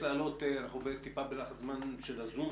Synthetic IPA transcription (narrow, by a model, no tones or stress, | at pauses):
laːlo̞t̪eanaχnubeet̪ːipabelaχatzmanʃelazum